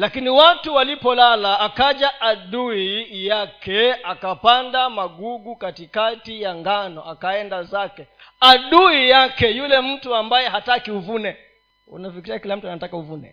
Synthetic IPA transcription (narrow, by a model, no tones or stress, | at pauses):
lakiniwatuwalipɔlalaːkaʄaʔaɗuijakɛakapandamaɠuɡukatikatijaŋɡanɔʔakaɛndazakɛaɗuijakɛjulɛm̩tuambajɛɦatakiuvunɛ | ṵnafikiɾiakilam̩tuanatakauvunɛ̰